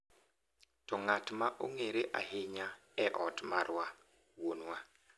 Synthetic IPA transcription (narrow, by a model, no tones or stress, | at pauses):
tɔŋatmaʔo̰ŋeɾeʔa̰heɲaɛʔɔtmaɾwa | wonwa